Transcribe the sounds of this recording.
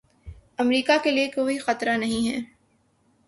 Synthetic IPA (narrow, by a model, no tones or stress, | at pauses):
ɐmɾiːkakeliekoːixɐt̪ɾanɐɦĩɦɛː